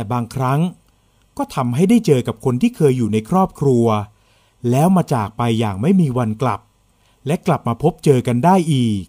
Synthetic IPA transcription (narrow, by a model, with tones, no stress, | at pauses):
ɛː˨˩baː˧ŋkʰɾa˦˥ŋ | kɔː˥˩t̪ʰa˧mɦa˥˩jdaː˥˩jt͡ɕɤː˧ka˨˩p̚kʰo˧nt̪ʰiː˥˩kʰɤː˧jːuː˨˩na˧jkʰɾɔː˥˩p̚kʰɾu˧ɐ | lɛː˦˥wmaː˧t͡ɕaː˨˩k̚pa˧jːaː˨˩ŋma˥˩jmiː˧wa˧nkla̰˨˩p̚ | lɛ˦˥kla˨˩p̚maː˧pʰo˦˥p̚t͡ɕɤː˧ka˧ndaː˥˩jʔiː˨˩k̚